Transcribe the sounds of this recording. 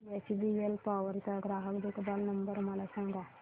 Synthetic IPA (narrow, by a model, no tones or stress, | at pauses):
esbielpaːʋəɾk̪aɡɾaːɦəkd̪ukbaːlnɐmbəɾmalasãŋɡa